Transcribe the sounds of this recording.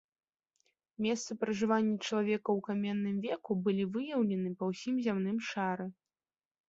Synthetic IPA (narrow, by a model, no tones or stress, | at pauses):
mʲɛst̪sɐpɾɐʐɨvanʲːɐt͡ʂɐlˠavʲɛkɐwkamʲɛnːɨmvʲɛkubɨlʲivɨjɐwlʲɛnɨpɐwsʲimzʲamnɨmʂaɾɨ